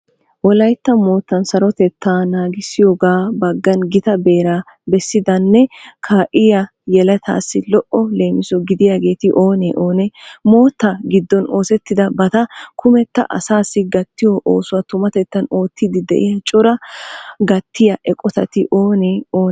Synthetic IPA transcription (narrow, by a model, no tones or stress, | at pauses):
wɔlɐjt̪ːɐmo̞ːt̪ːɐnsɐɾɔt̪ɛt̪ːaːnaːɡɪsːɪjoːɡaːbɐɡːɐnɡɪt̪ɐbe̞ːɾa | bɛsːɪd̪ɐnːɛkʰaːʔɪjɐ | jɛlɐt̪ʰa̰ːsːɪlɔʔɔle̞ːmɪsɔɡɪd̪ɪjaːɡe̞ːt̪ɪʔo̞ːneːʔo̞ːnɛmo̞ːt̪ːɐɡɪd̪ːɔno̞ːsɛt̪ːɪd̪ɐbɐt̪ɐkʰʊmɛt̪ːɐ̰ʔɐ̰saːsːɪɡɐt̪ːɪjoʔoːsʊwɐt̪ʊmɐt̪ɛt̪ːɐno̞ːt̪ːɪd̪ɪd̪ɛ̰ʔɪjɐt͡ʃʼɔɾɐɡɐt̪ːɪjɐʔɛkʼɔt̪ɐt̪ɪʔo̞ːneːoː